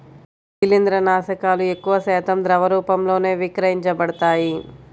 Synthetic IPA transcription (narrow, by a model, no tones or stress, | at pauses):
kilind̪ɾɐnaːʃɐkaːlue̞kːuʋɐsɛːt̪ɐmd̪ɾɐʋɐɾuːpɐmlo̞ːne̞ːʋikɾɐɦiɲt͡ʃɐbɐɽɐt̪aːji